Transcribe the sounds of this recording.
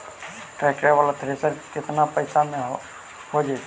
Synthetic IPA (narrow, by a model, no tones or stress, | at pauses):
ʈɾɛkɾeʋəlat̪ʰɾesəɾkɪt̪napəɪsamẽ | ɦod͡ʒajt̪ʰ